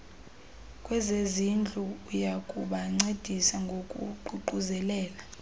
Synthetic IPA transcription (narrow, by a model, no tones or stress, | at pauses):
kʼwɛzezind͡ɮʱuːjakʼuɓaŋ͡ǀed̥ʱisaŋɡʱokʼṵǃuǃuzɛlɛːla